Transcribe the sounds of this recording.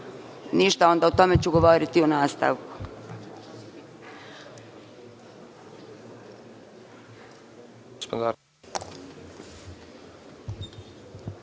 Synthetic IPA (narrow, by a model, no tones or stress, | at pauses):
niʃt̪ao̞nd̪aut̪o̞met͡ɕuɡoʋoɾit̪ionaːst̪a̰ʋku̥ | spo̰nt̪a